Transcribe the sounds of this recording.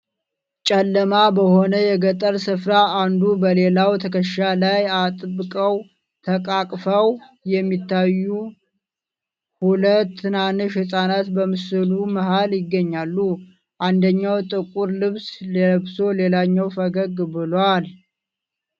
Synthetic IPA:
t͡ʃʼɛlːəmabəho̞nəjɛɡət̪ʼəɾsɨfɾaand̪ubəle̞lawt̪ʰəkʰəʃalajat̪ʼɨbkʼəw | t̪ʰəkʼakʼfəw | jɛmːit̪ʰːajːu | hulət̪ːɨnanɨʃhɨsʼanat̪bəmɨsɨluməhaljɪɡːəɲːalːu | ʔand̪əɲːawt̪ʼɨkʼuɾlɨβsbso̞le̞laɲːawfəɡəɡbɨlwal

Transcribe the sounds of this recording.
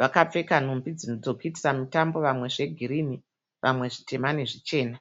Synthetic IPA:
ʋakap͡fe̞kan̤umbid͡zinod͡zo̞kuiti̥samutambo̞ʋamwe̞ʐe̞ɡʱirini | ʋʔamwe̞ʐite̞maneʐit͡ʃe̞ːna

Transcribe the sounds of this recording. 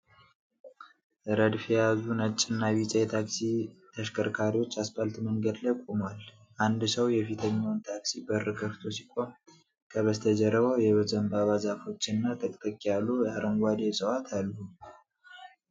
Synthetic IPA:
ʔɾəd̪fiɛjazunət͡ʃʼːɪnːaβit͡ʃʼɛjɛt̪ʰaksit̪ʰəʃkʰəɾkʰaɾiwot͡ʃːasbalt̪məŋɡəd̪lajkʼomwal | ʔand̪səwjɛfit̪ʰəɲːant̪ʰaksibərəkʰəft̪ʰo̞si̥kʼo̞m | kʰəβəst̪ʰəd͡ʒəɾəβəwjɛβəzəmbaβazafo̞t͡ʃːɪnːat̪ʰʼəkʼt̪ʼəkʼijalujaɾʔəŋɡʷad̪esʼəwat̪ʰalːu

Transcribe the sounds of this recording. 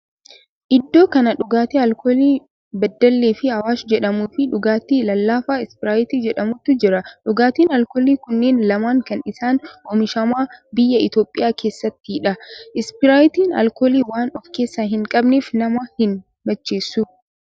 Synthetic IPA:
ʔɪd̪ːo̞ːkɐnɐᶑʊɡaːt̪eɐlkoːliː | bɐd̪ːɐlːeːfɪhɐwaːsd͡ʒɛᶑɐmuːfɪᶑʊɡaːt̪iːlɐlːaːfaːɪspɪɾaːjɪt̪iːd͡ʒɛᶑɐmʊt̪ːʊd͡ʒɪɾɐᶑʊɡaːt̪iːnɐlkoːliːkʊnːeːnlɐmaːŋkɐnɪsaːnʔɔmɪʃɐmaːbɪjːɐɪt̪o̞ːpʼːɪjaːke̞ːsːɐt̪ːɪɪᶑɐʔɪspɪɾaːjɪt̪iːnɐ̰lkoːliːwaːnɔfke̞ːsːaːɦɪŋkʼɐbneːfnɐmɐhɪn | bɐt͡ʃːe̞ːsːʊ

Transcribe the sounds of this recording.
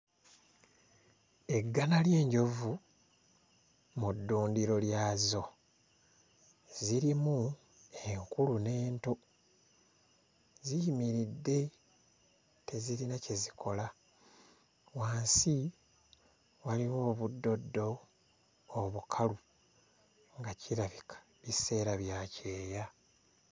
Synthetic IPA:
e̞ɡːanalje̞ːɲɟo̞vu | mudːuːndiɾo̞ljaːzo̞ | ziɾimu | eŋkulune̞ːnto̞ | ziimiɾidːe̞ | te̞ziɾinace̞zikʰo̞la | waːnsi | waliwo̞ːβudːo̞dːo̞ː | βukʰalu | ŋɡaciɾaβikḁ | βise̞ːɾaβjace̞ːja

